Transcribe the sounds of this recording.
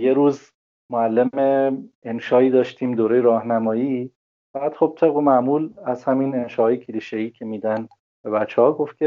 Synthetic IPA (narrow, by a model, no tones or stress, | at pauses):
je̞ɾuːz | moælːemeenʃɒːiːd̪ɒːʃt̪ʰiːmd̪oːɾejeɾɒːhnæmɒːji | fææd̪̥χo̞b̥̚t̪ʰe̞bɣomæmuːlæz̥hæminenʃɒːhɒːjecʰeliːʃeiːcʰe̞miːd̪æn | b̥e̞bæt͡ʃʰːehɒːɡo̞ft̪kʰʲe